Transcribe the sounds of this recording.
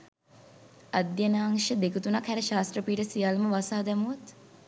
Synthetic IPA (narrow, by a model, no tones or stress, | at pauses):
ɐd̪jənaːŋʂəd̪ekut̪unakhæɾəʃaːst̪rəpiːʈəsijalməʋasaːd̪ɛmuut̪